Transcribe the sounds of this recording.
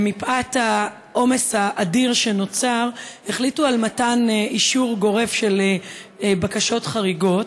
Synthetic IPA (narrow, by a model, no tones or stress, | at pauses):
mipʔatha | ʔo̞me̞shaʔːdiʁʃe̞no̞t͡saʁeχlitualmataniʃuʁɡo̞ʁe̞vʃel | bakaʃo̞tχaʁiɡo̞t